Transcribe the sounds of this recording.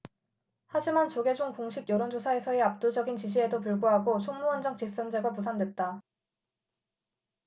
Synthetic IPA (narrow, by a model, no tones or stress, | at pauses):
had͡ʑimant͡ɕoɡe̞d͡ʑoŋkoŋɕʰibjʌɾond͡ʑosʰae̞sʰʌe̞ap̚t͈od͡ʑʌɡint͡ɕiɕ̬ʰie̞dopuɭɡoɦaɡot͡ɕʰoŋmuʌnd͡ʑʌŋt͡ɕis͈ʌnd͡ʑeɡapusʰandwe̞t̚t͈a